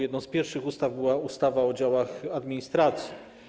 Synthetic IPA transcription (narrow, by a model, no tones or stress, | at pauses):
jɛd̪nɔ̃w̃spʲjɛɾfʂɘxust̪avbɘwaust̪avaɔd͡ʑawaxad̪mʲiɲist̪ɾat̪sʲji